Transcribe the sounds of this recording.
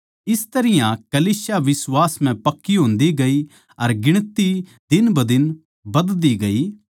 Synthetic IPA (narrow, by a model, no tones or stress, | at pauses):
ɪst̪ɐɾɪjãkɐliːsjaʋɪswaːsm̤ɛ̃pɐkːiɦʊ̃ːnd̪iɡɐi | ɐɾɡɪɽ̃t̪i | d̪ɪnbɐd̪ɪn | bɐd̪d̪iɡɐiː